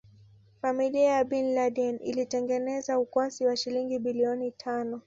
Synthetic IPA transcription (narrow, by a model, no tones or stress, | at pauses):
familiajaɓinlaɗɛnḭlitɛŋɡɛnɛzaukwasiwaʃiliŋɡiɓiliɔnitʰanɔ